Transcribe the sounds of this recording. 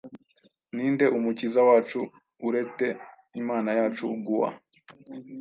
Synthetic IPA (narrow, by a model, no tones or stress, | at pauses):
niːnde̞ʔumucizawaːt͡ʃuː | ɾe̞te̞ | imaːnajaːt͡ʃuɡuwa̰